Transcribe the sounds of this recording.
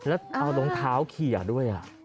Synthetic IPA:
lɛː˦˥wʔa˧wlo˧ŋt̪ʰaː˦˥wkʰi˨˩ɐ˩du˥˩əjʔa̰˨˩ʔ

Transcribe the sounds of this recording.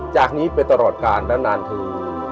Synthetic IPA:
t͡ɕaː˨˩k̚niː˦˥pa˧jt̪a˧ɾɔː˨˩t̪̚kaː˧nːa˦˥naː˧nt̪ʰɯː˧

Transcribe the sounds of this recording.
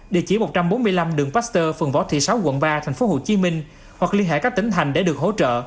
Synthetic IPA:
ɗḭ˧˨t͡ɕi˧˩mo˨˩t̚t͡ɕa˧mɓo˨˦nmɨ˧əjla˧mɗɨ˨əŋpaː˦˥st̪əː˧fɨ˨əŋvɔ˨˦t̪ʰḭ˧˨sa˨˦wkə̰˧˨nvaː˧t̪ʰa˨˩ŋ̟fo˨˦ɦo̰˧˨t͡ɕi˨˦mï˧ŋ̟ | hwa˨˩k̚li˧ənɦḛ˧˨kaː˦˥kt̪ï˨˦ŋ̟t̪ʰa˨˩jŋ̟ɗe˧˩ɗɨ˨˩ək̚ho̰˧˥t͡ɕə̰ː˧˨

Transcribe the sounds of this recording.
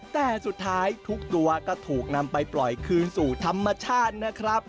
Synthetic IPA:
t̪ɛː˨˩su˨˩t̪ʰːaː˦˥jt̪ʰu˦˥k̚t̪u˧ɐkɔː˥˩t̪ʰuː˨˩k̚na˧mpa˧jplɔ˨˩jkʰɯː˧nsuː˨˩t̪ʰa˧mːa˧t͡ɕʰaː˥˩t̪̚na˦˥kʰɾa˦˥p̚

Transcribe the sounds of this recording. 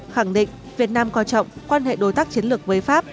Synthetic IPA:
xa˧˩ŋɗḭ˧˨ŋ̟ | vi˨˩ət̚naː˧mkɔ˧t͡ɕɔ̰˧˨wŋ͡mkwaː˧nɦḛ˧˨ɗo˨˦jt̪aː˦˥k̚t͡ɕi˨˦ənlɨ˨˩ək̚vəː˨˦jfaː˦˥pp̚

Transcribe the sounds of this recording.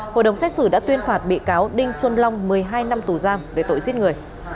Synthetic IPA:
ho̰˧˨jɗə˨˩wŋ͡msɛ˦˥t̚sɨ˧˩ɗa̰ː˧˥t̪wi˧ənfaː˨˩t̚ɓḭ˧˨kaː˨˦wɗï˧ŋ̟swə˧nla˧wŋ͡mmɨ˨˩əjɦaː˧jna˧mt̪u˨˩zaː˧mve˨˩t̪o̰˧˨jzi˦˥t̚ŋɨ˨˩əj

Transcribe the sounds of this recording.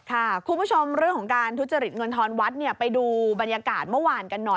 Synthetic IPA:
kʰa˥˩kʰu˧nbu˦˥˩t͡ɕʰo˧mɾɯ˥˩əŋkʰɔ˨˩˦ŋkaː˧nt̪ʰu˦˥t̪̚t͡ɕa˧ɾi˨˩t̪̚ŋɤ˧nt̪ʰɔː˧nwa˦˥t̪̚ni˥˩ɐpa˧jduː˧ba˧njaː˧kaː˨˩t̪̚mɯ˥˩waː˧nka˧nːɔ˨˩

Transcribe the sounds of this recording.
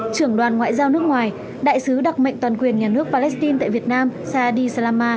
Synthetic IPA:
t͡ɕɨ˧˩əŋɗwaː˨˩nŋwa̰ː˧˨jzaː˧wnɨ˦˥ək̚ŋwaː˨˩j | ɗa̰ː˧˨jsɨ˨˦ɗa˨˩k͡p̚mə̰˧˨ŋ̟t̪waː˨˩nkwi˨˩ənɲaː˨˩nɨ˦˥ək̚paː˧lɛ˦˥st̪i˧nt̪a̰ː˧˨jvi˨˩ət̚naː˧msaː˧ɗi˧sa˧laː˧maː˧

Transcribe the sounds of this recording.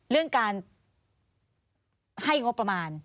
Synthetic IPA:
ɾɯ˥˩əŋkaː˧n | ha˥˩jŋo˦˥pːɾa˧maː˧n

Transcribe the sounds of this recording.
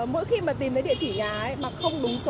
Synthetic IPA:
mo̰˧˥jxi˧maː˨˩t̪i˨˩mt̪ə˨˦ɗḭ˧˨t͡ɕi˧˩ɲaː˨˩ə˨˦jmaː˨˩kxə˧wŋ͡mɗʊ˨˦ŋ͡mso˨˦

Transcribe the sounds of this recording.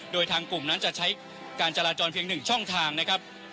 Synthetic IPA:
doː˧jt̪ʰaː˧ŋku˨˩mna˦˥nt͡ɕa˨˩t͡ɕʰa˦˥j | kaː˧nt͡ɕa˧laː˧t͡ɕɔː˧npʰi˧əŋnɯ˨˩ŋt͡ɕʰɔ˥˩ŋt̪ʰaː˧ŋna˦˥kʰɾa˦˥p̚

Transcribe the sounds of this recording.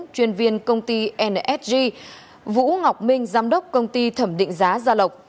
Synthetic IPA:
t͡ɕwi˧ənvi˧ənkə˧wŋ͡mt̪i˧ʔɛ˧nʔɛ˦˥t̚zi˧ | vṵ˧˥ŋa˨˩wk͡p̚mï˧ŋ̟zaː˨˦mɗə˦˥wk͡p̚kə˧wŋ͡mt̪i˧t̪ʰə˧˩mɗḭ˧˨ŋ̟zaː˨˦zaː˧lə˨˩wk͡p̚

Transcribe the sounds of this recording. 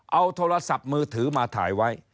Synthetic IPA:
ʔa˧wt̪ʰoː˧ɾa˧sa˨˩p̚mɯː˧t̪ʰɯː˩˦maː˧t̪ʰa̰ː˩˦jwa˦˥j

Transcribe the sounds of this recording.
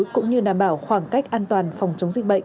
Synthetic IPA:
kʊ̰˧˥ŋ͡mɲɨ˧ɗaː˧˩mɓaː˧˩wxwaː˧˩ŋka˦˥jk̚ʔaː˧nt̪waː˨˩nfa˨˩wŋ͡mt͡ɕə˨˦wŋ͡mzï˨˩ɓə̰˧˨ŋ

